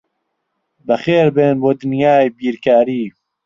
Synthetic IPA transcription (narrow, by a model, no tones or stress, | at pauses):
bəxeːɾbeːnboːd̪ɨnjaːjbiːɾkaːɾiː